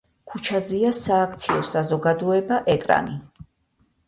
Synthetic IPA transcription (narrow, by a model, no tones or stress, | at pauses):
kʰut͡ʃʰaziasaːkʰt̪sʰiɔsazɔɡad̪ɔɛbaʔɛkʼɾa̰ni